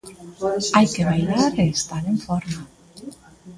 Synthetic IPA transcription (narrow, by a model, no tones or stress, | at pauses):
ajkeβajlaɾeːst̪aɾeɱfɔɾma